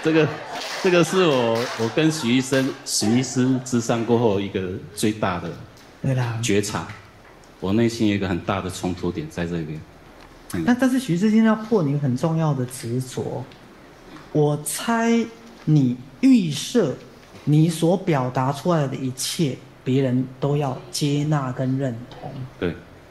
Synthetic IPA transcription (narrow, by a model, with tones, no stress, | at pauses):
ʈ͡ʂɤ˥˩ɡə˩ʈ͡ʂɤ˥˩ɡə˨ʂɻ̩˥˩wɔɔ˨˩wɔ˨˩kə˦nɕy˨˥i˥˩ʂə˦˥nɕi˧˥i˥˩sɹ̩˥t͡sɻ̩˥sa˥˧ŋkwɔ˥˧xo˥˧ʊi˧˥ɡə˧t͡swe˥˧ɪt̪a˥˩d̪ə˩ | t̪we˥˩ɪlə˩t͡ɕɥɛ˧˥ʈ͡ʂʰa̰˨˥˦ | wɔ˨˩ne˥˩ɪɕi˥njɡə˨xə˨˩nt̪a˥˩d̪ə˩t͡sʰʊ˧˥ŋt̪ʰu˧˥t̪jɛ˨˩˦nt͡sa˥˧ɪʈ͡ʂɤ˥˧i˧pjɛ˦n˥˩ | a˥˧nt̪a˥˧nʂ̬̩˥˩ɕy˧˥s̬ɻ̩˥˧ɕɛ˥˧n˥jpʰwɔ˥˨ni˨˧˦ɡə˧xə˨˩nʈ͡ʂʊ˥˧ŋjɑ˥˩ʊd̪ə˩t͡sɻ̩˧˦swɔ̰˧˥˦ | wɔ˨˩t͡sʰa˥ɪ | ni˨˩y˥˧ʂɤ˥˩ | ni˨˩swɔ˧˥pjɑ˨˩ʊt̪a˧˥ʈ͡ʂʰu˦la˧ɪd̪ə˨i˧˥t͡ɕʰjɛ˥˩ | pjɛ˧˥ɻə˧˦nt̪o˥ʊjɑ˥˨ʊt͡ɕjɛ˥na˥˨kə˦nɻə˥˩nt̪ʰʊ̰˧˥ŋt̪we˥˩ɪ